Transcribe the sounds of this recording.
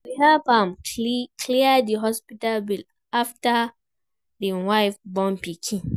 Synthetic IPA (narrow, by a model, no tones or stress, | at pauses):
wihɛlbãmkʰliədiɦɔspitalbil | afta | diwaɪfbɔ̃npikʰĩn